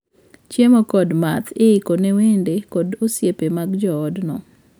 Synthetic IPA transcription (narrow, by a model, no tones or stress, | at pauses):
t͡ʃjemokɔdmat̪ʰɪɪkonɛwendekɔdosjepemaɡd͡ʒɔːdnɔ